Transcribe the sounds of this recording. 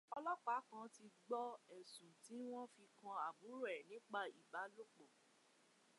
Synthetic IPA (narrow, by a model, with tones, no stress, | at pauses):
ɔ˧lɔ˦k͡pa˨˦kã˧˦ti˧ɡ͡bɔ˦ɛ˨sũ˨ti˨˦w̃ɔ̃˦fi˧kã˧a˨bu˨˦ɾo˦˨ɛ˨nĩ˨˦k͡pa˦˨i˨ba˨˦lo˦k͡po˦˨